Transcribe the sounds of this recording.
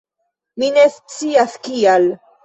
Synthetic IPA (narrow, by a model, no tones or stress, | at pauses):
minest͡siaskial